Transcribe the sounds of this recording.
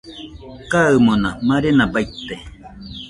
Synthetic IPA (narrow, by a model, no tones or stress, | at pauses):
kaɯmonamaɾenabait̪e